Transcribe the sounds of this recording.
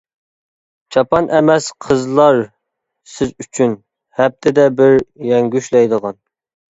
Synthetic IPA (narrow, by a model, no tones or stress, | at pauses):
t͡ʃʰɑpɑnʔɛmɛsqʰəzlˠɑɾ | sɪzyt͡ʃʰyn | hɛp̚t̪ʰɪd̪ɛbɪɾjɛŋɡʲyʃlɛjd̪əʁɑn